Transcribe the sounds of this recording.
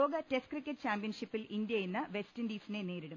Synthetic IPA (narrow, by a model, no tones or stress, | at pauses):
oːɡɐteskrikʲːeʈːt͡ɕaːmpijɐnʂipːilind̪jɐjenːɐʋestɐndiːsɐnene̞ːɾiɽum